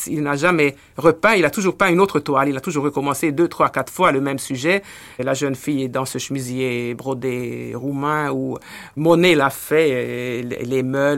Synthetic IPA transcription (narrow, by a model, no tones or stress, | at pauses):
ilnaʒamɛ | ʁəpɛ̃ilat̪uʒuʁpɛ̃ynot̪χət̪walilat̪uʒuʁːəkɔmɑ̃sed̪øt̪χwakat̪χfwaləmɛmsyʒɛ | laʒənfijɛd̪ɑ̃səʃəmizjebʁɔd̪eʁumɛ̃umɔnelafɛ̰ | lemœ